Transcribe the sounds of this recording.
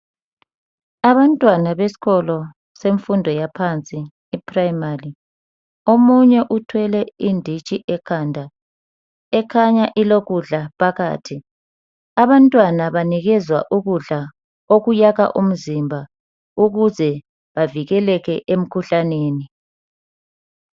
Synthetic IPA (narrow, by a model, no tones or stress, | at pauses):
aβantʼwanaβesi̥ɣɔlɔ | seɱfundʱɔjapʰant͡sʼiː | pʰrajmari | omuɲɛʔutʰwɛlɛindʱit͡ʃʼiʔɛkʰandʱa | ɛkʰaɲaʔiloɣuɮapʰaɣa̰ːtʰi | aβantʼwanaβaniɣɛzwa̰ʔuɣuɮa | oɣujaɣa̰ʔum̩zimbʱa | uɣuzɛ | βaviɣɛlɛɣɛʔem̩kʰuɬaneːni